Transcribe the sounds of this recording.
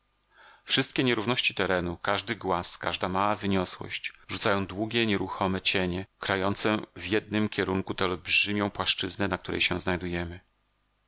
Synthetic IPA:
fʂɘst̪kʲɛɲɛɾuvn̪ɔɕt͡ɕi̥t̪ɛɾɛnukaʐd̪ɘɡwaska̰ʐd̪amawavɘɲɔswɔ̰ɕt͡ɕʐut̪sajɔ̃w̃d̪wuɡʲɛɲɛɾuxɔmɛt͡ɕeɲɛkɾajɔnt̪sɛvʲjɛd̪̚nɘmkʲɛɾuŋkut̪ɛɔlbʐɘmʲjɔ̃w̃pwaʂt͡ʂɘznɛnak̚t̪uɾɛ̰jɕɛ̃znajd̪ujɛmɘ

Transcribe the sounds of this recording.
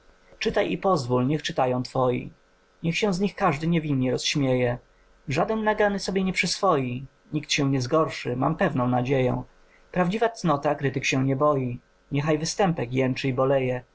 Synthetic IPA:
t͡ʂɘt̪ajipɔzvulɲɛxt͡ʂɘt̪ajɔ̃w̃t̪fɔjḭ | ɲɛxɕɛ̃w̃zɲixkaʐd̪ɘɲɛvʲinɲɛɾɔsɕmʲjejɛ | ʐad̪ɛnːaɡanɘsɔbʲjɛɲɛpʂɘsfɔji | ɲikt̪ɕɛ̃w̃ɲɛzɡɔɾʂɘma̰mpɛvnɔ̃w̃nad͡ʑejɛ̰̃ | pɾavd͡ʑivat̪snɔt̪akɾɘt̪ɘkɕɛɲɛbɔji | ɲɛxajvɘst̪ɛmpɛkjɛnt͡ʂɘibɔlɛjɛ

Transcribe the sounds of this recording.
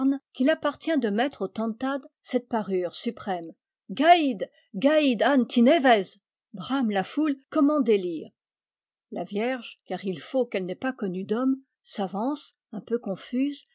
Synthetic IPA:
nkʲilapaʁt̪jɛ̃d̪əmɛt̪χot̪ɑ̃t̪ad̪sɛt̪̚paʁyːʁsypχɛm | ɡaid̪ | ɡaid̪ant̪inevɛz | bʁamlafulkɔmɑ̃d̪eliːʁ | lavjɛʁʒkaʁilfokɛlnɛpakɔnyd̪ɔm | savɑ̃s | ɛ̃pøkɔ̃fyz

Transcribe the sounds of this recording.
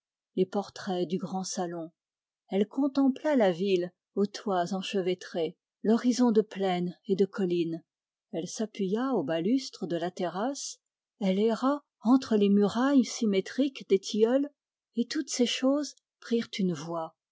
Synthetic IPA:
lepɔʁt̪χɛd̪yɡʁɑ̃salɔ̃ | ɛlkɔ̃t̪ɑ̃plalavil | ot̪wazɑ̃ʃəvet̪χe | lɔʁizɔ̃d̪əplɛned̪əkʰɔlin | ɛlsapɥijaobalyst̪χəd̪əlat̪eʁas | ɛlɛʁa | ɑ̃t̪χəlemyʁajsimet̪χikd̪et̪ʰijɔl | et̪ut̪seʃoz | pχiʁt̪ynvwa

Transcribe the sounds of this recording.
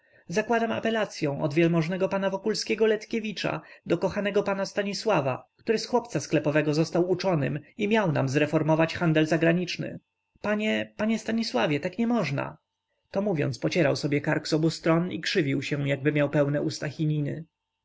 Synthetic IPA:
zakwad̪ama̰pɛlat̪sʲjɔ̃w̃ʔɔ̰d̪vʲjɛlmɔʐnɛɡɔpanavɔkulskʲɛɡɔlɛt̪kʲevʲit͡ʂa̰d̪ɔkɔxanɛɡɔpanast̪aɲiswava̰kt̪uɾɘsxwɔpt̪sasklɛpɔvɛɡɔzɔst̪awut͡ʂɔnɘmimʲjawna̰mzɾɛfɔɾmɔvat͡ɕxand̪ɛlzaɡɾaɲit͡ʂnɘ̰ | paɲɛpaɲɛst̪aɲiswavʲjɛt̪akɲɛmɔʐna̰ | t̪ɔmuvʲjɔ̰nt̪spɔt͡ɕɛɾawsɔbʲjɛkaɾɡz̥ɔbust̪ɾɔnḭkʂɘvʲiwɕɛjaɡ̚bɘmʲjawpɛwnɛʔust̪axʲiɲinɘ̰

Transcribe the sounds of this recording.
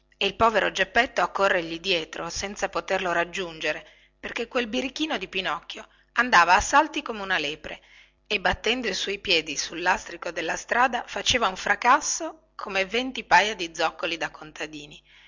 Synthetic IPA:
eilpɔːveɾod͡ʒepːɛt̪ːoakːorːeʎid̪jɛːt̪ɾosɛnt̪sapot̪erloɾad͡ʒːund͡ʒeɾe | perk̟ekːwelbiɾikːiːnod̪ipinɔkːjo | and̪aːvaːsːalt̪ikomeunaleːpɾe | ebːat̪ːɛnd̪oiswɔjpjɛːd̪isulːast̪ɾikod̪elːast̪ɾaːd̪afat͡ʃeːvauɱfɾakasːo | kʰomevent̪ipajad̪id̪zːɔkːolid̪akːont̪ad̪iːni

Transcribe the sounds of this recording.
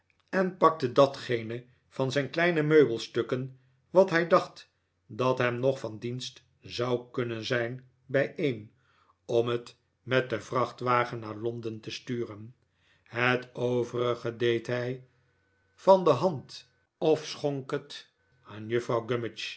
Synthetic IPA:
ɛnpɑk̚tədɑtχejnə | v̥ɑnzɛjnklɛjnəmøɥbəlˠstøkən | ʋɑtɦɛjdɑχt | dɑtɦɛmnɔχfɑndinst | zɑwkɵnənzɛjn | bɛjʔejn | ɔmət | mɛt̚dəvrɑχtʋaːχənːaːɹlɔndəntəstyːrən | hətoʊvərəχədejtɦɛj | fɑndəɦɑnt | ɔfsχɔŋkət | aːnjəfrɑwɡømɪt͡ʃ

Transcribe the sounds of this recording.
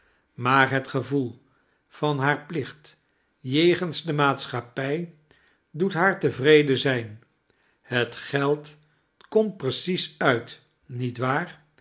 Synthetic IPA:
maːɹɦətχəvulˠ | v̥ɑnɦaːɹplɪχt | jejχənzdəmaːtsχapɛj | dutɦaːɹtəvrejdəzɛjn | hətχɛlˠt | kɔmtprəsisœɥt | nitʋaːr

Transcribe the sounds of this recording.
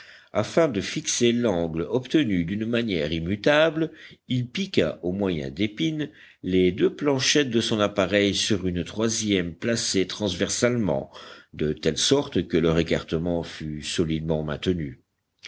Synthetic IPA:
afɛ̃d̪əfikselɑ̃ɡlɔpt̪ənyd̪ynmanjɛʁimyt̪ablilpikʲa̰ʔomwajɛ̰̃d̪epin | led̪øplɑ̃ʃɛt̪̚d̪əsɔ̃napaʁɛjsyʁynt̪χwazjɛmplaset̪χɑ̃zvɛʁsalmɑ̰̃d̪ət̪ɛlsɔʁt̪kəlœʁeka̰ʁt̪əmɑ̃fysɔlid̪mɑ̃mɛ̰̃t̪əny

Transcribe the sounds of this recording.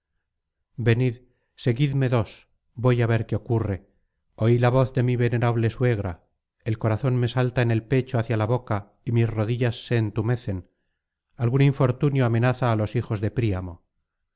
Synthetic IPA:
be̞nið | se̞ɣiðme̞ðo̞s | bo̞jaβe̞ɾkeo̞kure̞ | o̞ilaβo̞θðemiβe̞ne̞ɾaβle̞swe̞ɣ̞ɾa | elko̞ɾaθo̞nme̞salt̪aene̞lpe̞t͡ʃoaθjalaβo̞ka | imisro̞ðiʎasːe̞ːnt̪ume̞θe̞n | alɣuniɱfo̞ɾt̪unjoame̞naθaːlo̞sixo̞zðe̞pɾiamo̞

